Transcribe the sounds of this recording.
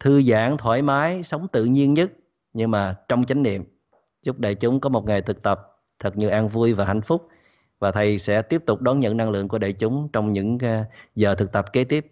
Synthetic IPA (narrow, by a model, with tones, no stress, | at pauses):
t̪ʰɨ˧za̰ː˧˩ŋt̪ʰwaː˧˩jmaː˨˦jsə˨˦wŋ͡mt̪ɨ̰˧˨ɲi˧ənɲə˦˥t̚ | ɲɨ˧maː˨˩t͡ɕɔ˧wŋ͡mt͡ɕa˨˦jŋ̟nḭ˧˨əm | zʊ˦˥k͡p̚ɗə̰ː˧˨jt͡ɕʊ˨˦ŋ͡mkɔ˨˦mo˨˩t̚ŋa˨˩jt̪ʰɨ˨˩k̚t̪ə˨˩p̚ | t̪ʰɨ˨˩k̚ɲɨ˧ʔaː˧nvu˧əjvaː˨˩ɦa̰˧˩jŋ̟fʊ˦˥k͡p̚ | vaː˨˩t̪ʰə˨˩jsɛ̰˧˥t̪i˦˥əp̚t̪ʊ˨˩k͡p̚ɗɔ˨˦nɲə̰˧˨nːa˧ŋlɨ̰˧˨əŋk̬u˧˩əɗə̰ː˧˨jt͡ɕʊ˨˦ŋ͡mt͡ɕɔ˧wŋ͡mɲɨ̰˧˥ŋ˦zəː˨˩t̪ʰɨ˨˩k̚t̪ə˨˩p̚ke˨˦t̪i˦˥əp̚